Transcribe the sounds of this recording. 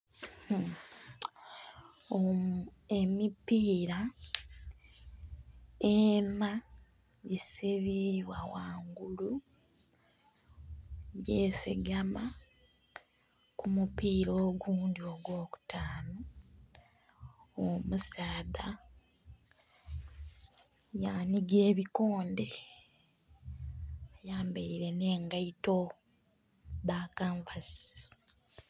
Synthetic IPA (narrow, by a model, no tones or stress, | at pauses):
o | emipiːɾa | ema | ɟisiβiwawaːŋɡulu | ɟeːsḭɡama | kumupiːɾoːɡuːndio̞ɡwo̞ːku̥tʰaːno | omusaːða | janiɡe̞ːβiko̞ːnde̞ | ajaːmbeiɾe̞ne̞ːŋɡaito | βaːkaːɱvasi̥